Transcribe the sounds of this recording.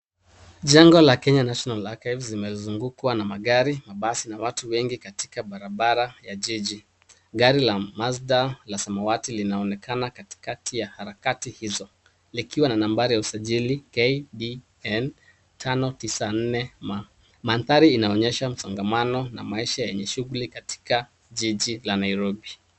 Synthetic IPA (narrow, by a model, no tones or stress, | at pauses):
ʄaŋɡɔlakɛɲanaʃɔnalakajvlimɛzuŋɡukwanamaɠaɾimaɓasinawatuwɛŋɡikati̥kaɓaɾaɓaɾajaʄiʄi | ɡaɾilamasdalasamawatilinaɔnɛkʰanakati̥katijahaɾakatihizɔ | likiwananambaɾijausaʄilikeɗi | ɛn | tʰanɔtisan̩nɛma | manθaɾiːnaɔɲɛʃam̩saŋɡamanɔna̰maiʃajɛɲɛʃuɣulikati̥ka | ʄiʄilanaiɾɔbi